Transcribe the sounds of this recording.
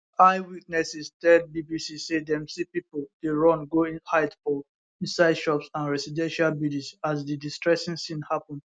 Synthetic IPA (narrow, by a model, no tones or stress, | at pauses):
aɪwitnɛsistɛd̚bibisisedɛ̃msipipoldeɹɔ̃nɡoĩhaɪdfɔ | ĩnsaɪdʃɔpsãnɹɛsidɛ̃nʃalbidisaz̬didistɹɛsĩŋsĩnhapɔ̃nd